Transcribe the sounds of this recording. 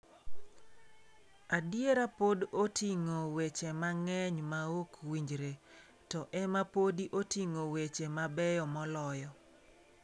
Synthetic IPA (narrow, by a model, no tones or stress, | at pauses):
adjeɾapodotiŋowet͡ʃemaŋɛɲmaokwiɲd͡ʒɾe | tɔʔɛmapodiʔotiŋowet͡ʃemabɛjɔmɔlɔjɔ